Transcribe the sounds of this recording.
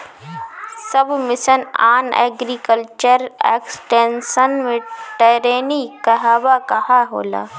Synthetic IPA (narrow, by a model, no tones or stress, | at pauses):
səbmɪʃənaːnɛ̰ːɡɾikəlt͡ʃəɾḛːksʈeːnsənmẽʈeːɾeːnikɐɦaːbakɐɦaɦo̰ːla̰ː